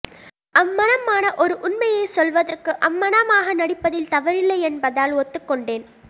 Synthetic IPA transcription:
ɐmːɐnɐmaːnɐʔɔɾɯʔʊnmɐjɐɪsɔlʋɐðɐrkɯʔɐmːɐnɐmaːɣɐnɐɽɪpːɐðɪlt̪ɐʋɐɾɪlːɐɪɛnbɐðaːloːt̪ːɯkːɔɳɖeːn

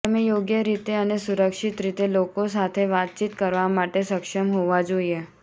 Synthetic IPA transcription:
əmejoɡjəɾit̪eənesuɾəkʂit̪ɾit̪elokosat̪ʰeʋat̪̚t͡ɕit̪kəɾʋamaʈesəkʂəmɦoʋad͡zoje

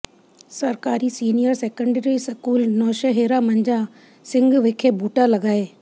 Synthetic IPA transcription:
sɐɾkaːɾisiːnijəɾseːkə̃ɳɖəɾiskuːlnɔːʃəɦeːɾamɐ̃ɲd͡ʑã | sɪ̃ŋɡʋeːkʰebʱuːʈalɐɡaːeː

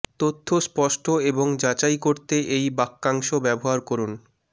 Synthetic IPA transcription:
t̪ot̪ʰːospɔʃʈʰoeboŋd͡ʑat͡ɕajkoɾt̪eʔejbakːaŋʃobɛboɦaɾkɔɾun

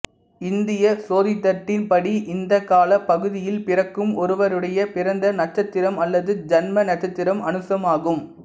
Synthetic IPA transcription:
ɪnd̪ɪjɐsoːðɪt̪ːɐʈːɪnpɐɽiʔɪnd̪ɐkːaːlɐpɐɣɯðɪjɪlpɪrɐkːɯmɔɾɯʋɐɾɯɽɐjɐpɪɾɐnd̪ɐnɐʈt͡ʃːɐt̪ːɪɾɐmɐlːɐðɯd͡ʒɛnmɐnɐʈ̚t͡ʃːɐt̪ːɪɾɐmɐnɯsɐmaːɣɯm

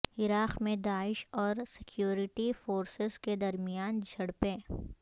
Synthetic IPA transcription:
ɪɾaːqmẽd̪aːɪʃɔːɾsɪkʰjuːɾɪʈifoːɾsɪzked̪ɐɾmɪjaːnd͡ʒʱɐɽpẽː

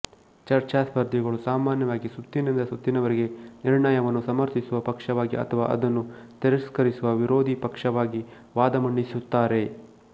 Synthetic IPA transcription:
t͡ʃɐɾt͡ʃaspɐɾd̪ʱiɡɐɭusaːmaːnjɐʋaːɡisut̪ːinind̪ɐsut̪ːinɐʋɐɾeɡe̞niɾɳɐjɐʋɐnːusɐmɐɾt̪isuʋɐpɐkʂɐʋaːɡiɐ̰t̪ʰɐʋa̰ːʔɐ̰d̪ɐnːut̪iɾɐskɐɾisuʋɐʋiɾoːd̪ʱipɐkʂɐʋaːɡi | ʋaːd̪ɐmɐɳɖisut̪ːaːɾe̞

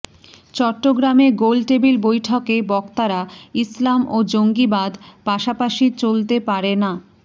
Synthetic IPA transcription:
t͡ɕɔʈːoɡɾameɡolʈebilbojʈʰɔkebɔkt̪aɾaislamod͡ʑoŋɡibad̪paʃapaʃit͡ɕolt̪epaɾena

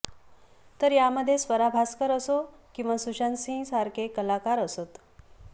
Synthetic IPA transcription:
t̪əɾjaməd̪ʱːjesʋəɾabʱaskəɾəso | kĩw̃ʋasuɕansĩsaɾkekəlakaɾəsot̪

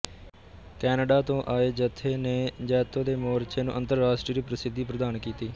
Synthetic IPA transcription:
kɛːnəɖaːt̪õːʔaːeːd͡ʒət̪ʰːeːneːd͡ʒɛːt̪ːõːd̪eːmoːɾt͡ʃeːnṵ̃ːʔənt̪əɾːaːsʈɾiːəɾiːpɾəsɪd̪ʱːiːpɾəd̪aːnkiːt̪iː

